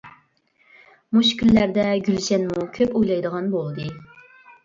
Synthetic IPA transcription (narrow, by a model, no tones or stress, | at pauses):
muʃkʲylːæɾd̪ɛɡʲylʃɛnmukʲʰøpojlˠɑjd̪əʁɑnbolˠd̪ɨ